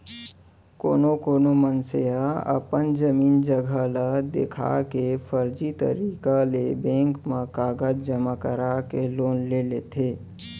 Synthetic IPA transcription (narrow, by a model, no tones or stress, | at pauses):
ko̰ːnokoːnomənseaə̰pənd͡ʒəmiːnd͡ʒəɡʱələd̪ḛkʰa̰kepʰəɾd͡ʒit̪ə̰ɾiːkalebẽːŋkmekaːɡəd͡ʒd͡ʒəmakəɾakeloːnlelet̪ʰeː